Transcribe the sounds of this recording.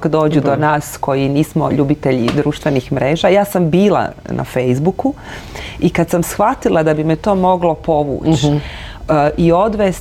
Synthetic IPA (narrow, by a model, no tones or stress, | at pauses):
kd̪o̞ːd͡ʑud̪onaːsko̞jiniːsmo̞ʎuːbit̪eʎid̪ɾuːʃt̪ʋenixmɾe̞ːʒajaːsambiːla̰nʔa̰fejzbuku | ikad̪samsxʋat̪ilˠad̪abimet̪o̞ːmo̞ɡlo̞po̞ʋṵːt͡ʃ | ʔio̞d̪ʋes